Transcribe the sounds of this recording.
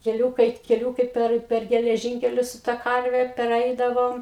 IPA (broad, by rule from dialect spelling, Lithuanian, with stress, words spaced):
kʲɛˈlʲuːkɐɪ kʲɛˈlʲuːkɐɪ ˈpʲɛr pʲɛr ɡʲɛlʲɛˈʒʲiːŋʲkʲɛlʲʊs sʊ tɐ ˈkɐrʲʋʲɛ pʲɛrʲˈɛɪdɐʋoːm